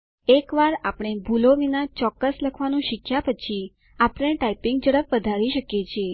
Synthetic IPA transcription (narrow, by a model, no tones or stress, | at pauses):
ekʋaɾapɽ̃ebʱuloʋinat͡ʃɔkːəsləkʰʋanũʃɪkʰːjapət͡ʃʰi | apɳ̃ẽʈaipiŋɡd͡ʒəɽəpʋəd̪ʱaɾiʃəkjet͡ʃʰie